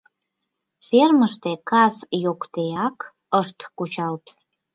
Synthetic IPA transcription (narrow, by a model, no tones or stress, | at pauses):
ferməʃt̪ekɑzjokt̪ejɑk | əʃt̪kut͡ɕɑlt̪